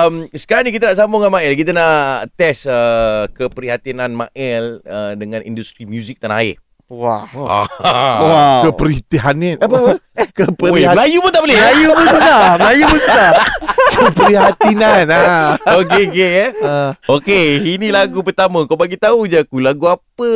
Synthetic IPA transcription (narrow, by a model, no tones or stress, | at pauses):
əmsə̥kaɾaŋnikit̪anaʔs̬amboŋamãɛlkit̪anaʔt̪ɛsəkəpəɾiɦat̪inãnmã̰ʔɛlədəŋãnḭndust̪ɾimjuzik̚t̪ana̰ɪ̰ | waa̰wakəpəɾit̪iɦanɛp | kəpəlajupʊnt̪aʔbəlɪlajubəablajubəakəpɾiɦat̪inanaokeoke | okeinilaɡup̬ərt̪amə̃kawbaɡit̪aud͡ʒakulaɡuapə